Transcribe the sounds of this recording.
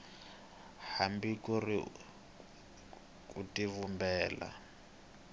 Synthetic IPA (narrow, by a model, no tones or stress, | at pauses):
hambikuri | kutivumbɛːla̰